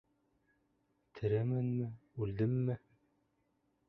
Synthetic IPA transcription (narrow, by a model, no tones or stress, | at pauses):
t̪ʰɘ̆ɾæmɘnmɘʉld̪ɘmːɘ